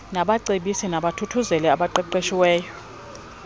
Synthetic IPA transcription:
naɓaǀeɓisinaɓatʰutʰuzɛlɛaɓaǃɛǃeʃiwɛːjɔ

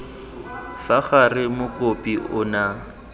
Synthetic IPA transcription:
faχarɪmʊkʼopʼiʊna

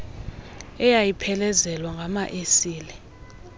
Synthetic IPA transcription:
ɛjajipʰɛlɛzɛlwaŋɡʱamaʔesiːlɛ

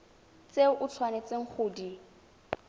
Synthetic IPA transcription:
t͡seʔʊt͡ɬʰwanet͡sʼeŋ̩χʰʊːdi

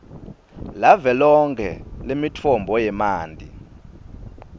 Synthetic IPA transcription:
lavɛlɔŋkʰɛ̰lemitʰɔmbʱɔjɛmaːndʱi

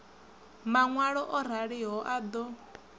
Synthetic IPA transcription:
maŋwaɺɔʔɔɾ̤aɺiɦɔʔad̪ɔ

